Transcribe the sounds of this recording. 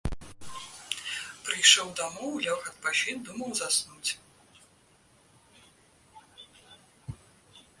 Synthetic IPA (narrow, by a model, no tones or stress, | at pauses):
pɾɨjʂɔwd̪amɔwlʲawxɐt̪̚paʃʲid̪umɐwzasnut͡sʲ